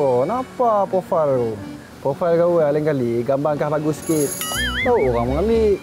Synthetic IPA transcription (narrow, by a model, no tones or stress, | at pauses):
ɔnapapɔfalu | pɔfalkawalɛŋkaliɡambaŋkahlaɡuskit̪̚dawʔuɣaŋmɔŋamiʔ